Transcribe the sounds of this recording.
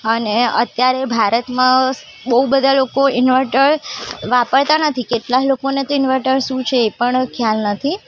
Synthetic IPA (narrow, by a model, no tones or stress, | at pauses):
əneə̰t̪jaɾebʱaɾət̪mã | ɓəubəd̪ʱalokoɪnʋəɾʈəɾʋapəɽt̪anət̪ʰikeʈlaklokonet̪oɪnʋəɾʈəɾʃũt͡ʃʰeːpəɳkʰjalnət̪ʰi